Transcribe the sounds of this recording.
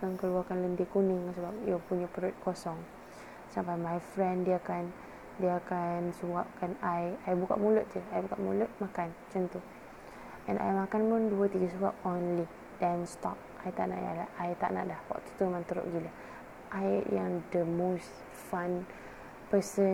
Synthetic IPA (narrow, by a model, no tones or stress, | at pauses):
kankəluakanlənt̪ikunɪŋsəbap̚jupuɲapəɾut̪̚kɔsɔŋ | sampajmajfɾɛ̃ndiaakan | diəakansuap̚kanajajbuka̰ʔmulʊt̪̚d͡ʒəajbukaʔmṵlʊt̪̚makant͡ʃənt̪u | ɛ̃nʔa̰jmakanpʊnduət̪iɡəs̬əbap̚onli | dɛnst̪ɔ̰p̚ajt̪aʔna̰ʔja̰laʔajt̪a̰ʔna̰ʔdahwɔ̰ʔt̪u̥t̪umãnt̪əɾʊ̰ʔɡila | ʔajjaŋdəmost | fan | pəsə